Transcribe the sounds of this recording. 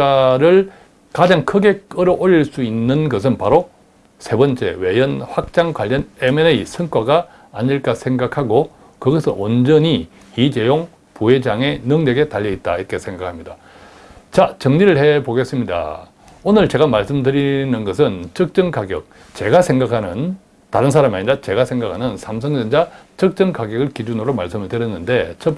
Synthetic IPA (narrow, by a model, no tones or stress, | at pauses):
aɾɯɭ | kad͡ʑaŋkʰɯɡe̞kɯɾʌʔoʎiɭs͈uinːɯnɡʌs̬ʰɯnpaɾo | sʰe̞bʌnt͡ɕ͈e̞̰we̞jʌnɸwak̚t͡ɕ͈aŋɡwaʎːʌnemeneisʰɯŋk͈waɡaː | ɲiɭk͈asʰeŋɡakʰaɡo | kɯɡʌsʰɯʔond͡ʑʌɲi | it͡ɕe̞joŋ | puɦe̞d͡ʑaŋe̞nɯŋdwe̞ɡe̞taʎːʌit̚t͈aiɾk͈e̞sʰe̞ŋɡakʰamɲida | t͡ɕat͡ɕʌŋɲiɾɯɭhe̞poɡe̞s͈ɯmɲida̰ | onɯɭt͡ɕe̞ɡamaɭs͈ɯmdɯɾinɯnɡʌs̬ʰɯnt͡ɕʌk̚t͡ɕ͈ʌŋkaɡjʌ̰k̚ | t͡ɕe̞ɡasʰe̞ŋɡakʰanɯ̰n | taɾɯns̬ʰaɾamiaɲiɾat͡ɕe̞ɡasʰe̞ŋɡakʰanɯnsʰamsʰʌŋd͡ʑʌnd͡ʑat͡ɕʌk̚t͡ɕ͈ʌŋkaɡjʌɡɯɭkid͡ʑunɯɾomaɭs͈ɯmɯɭdɯɾjʌnːɯnde̞t͡ɕʰʌp͈